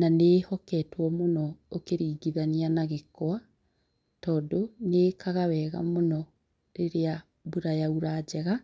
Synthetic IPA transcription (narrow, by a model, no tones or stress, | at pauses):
nanehɔkɛtwɔmonɔokeɾiːɡiðaneanaɣekwa | tɔːdonekʰaɣawɛɣa̰monɔ | ɾeɾea | buɾajauɾaːd͡ʑɛɣa